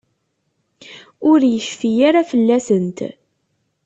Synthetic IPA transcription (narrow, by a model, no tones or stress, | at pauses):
ʊɾjəʃfijaɾafəlːæsənt̪